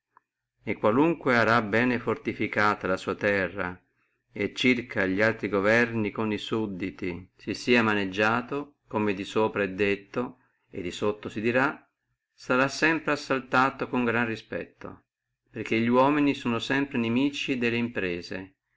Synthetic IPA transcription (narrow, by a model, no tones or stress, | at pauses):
ekːwaluŋkweaɾabɛːnefort̪ifikaːt̪alasuːat̪ɛrːa̰ | et͡ʃːirkʰaʎialt̪ɾiɡovɛrnikonisud̪ːit̪isisiːamaned͡ʒːaːt̪o | komed̪isoːpɾaɛd̪ːet̪ːo | ḛd̪ːisot̪ːosid̪iɾa | saɾasːɛmpɾeasːalt̪aːt̪okoŋɡɾanrispɛ̰t̪ːo̰ | perk̟eʎːiwɔːminisoːnosɛmpɾenemiːt͡ʃid̪elːeimpɾeːze